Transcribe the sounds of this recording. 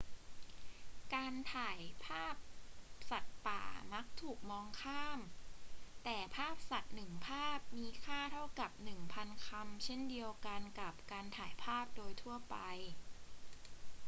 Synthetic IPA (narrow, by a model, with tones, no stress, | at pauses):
kaː˧nt̪ʰaː˩˦jpʰaː˥˩p̚sa˨˩t̪̚pa̰ː˨˩ma˦˥k̚t̪ʰuː˨˩k̚mɔː˧ŋkʰaː˥˩m | t̪ɛː˨˩pʰaː˥˩p̚sa˨˩t̪̚nɯ˨˩ŋpʰaː˥˩p̚miː˧kʰaː˥˩t̪ʰa˥˩wka˨˩p̚nɯ˨˩ŋpʰa˧nkʰa˧mt͡ɕʰe˥˩ndi˧əwka˧nka˨˩p̚kaː˧nt̪ʰaː˩˦jpʰaː˥˩p̚doː˧jt̪ʰu˥˩ɐpa̰˧j